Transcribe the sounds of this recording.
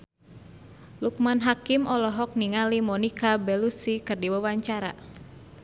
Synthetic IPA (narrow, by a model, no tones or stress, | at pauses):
luk̚manɦakimʔɔlɔɦɔk̚niŋalimɔnikabɛlusikɨrdiwawaɲt͡ʃaɾa̰